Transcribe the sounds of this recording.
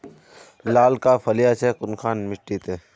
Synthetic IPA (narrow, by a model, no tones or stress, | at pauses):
laːlkapʰɐlijat͡ʃekʊnkʰaːnmɪʈːit̪eː